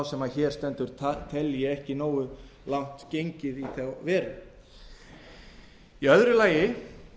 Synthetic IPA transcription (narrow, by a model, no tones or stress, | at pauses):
wsɛmaðçɛːɾ̥st̪ɛnt̪ʏɾ̥ʰt̪ʰɛljɪɛhcɪnoːwʏ | lawn̥t̪cejɲcɪðiθawvɛːɾʏ̰ | iœðɾʏlaːjɪ